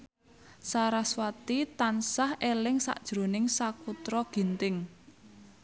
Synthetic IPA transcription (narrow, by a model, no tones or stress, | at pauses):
saɾaswat̪it̪ansahʔelɪŋsa̰ʔd̥ʒ̥ɾo̤nɪŋsakut̪ɾɔɡ̥i̤nt̪ɪŋ